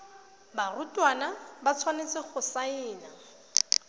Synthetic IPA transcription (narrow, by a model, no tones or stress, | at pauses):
barʊtʼwanabat͡sʰwanet͡sɪχʊsaɪːna